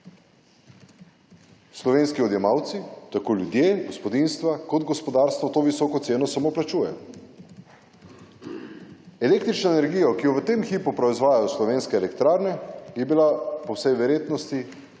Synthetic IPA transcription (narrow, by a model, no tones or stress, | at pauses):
slɔʋeːnskiɔd̪jɛmaːwt̪sit̪akoːljud̪jeːɡɔspɔd̪inst̪ʋakɔd̪ɡɔspɔd̪aːɾst̪ʋɔt̪oːʋisɔkɔt̪seːnɔsamoplat͡ʃuːjɛ̰ | ɛleːkt̪ɾit͡ʃnɔenɛɾɡijɔkijɔʋət̪eːmxiːpupɾɔizʋaːjajɔslɔʋeːnskɛelɛkt̪ɾaːɾnɛjɛbilapɔwsɛjʋɛɾjeːt̪nɔst̪i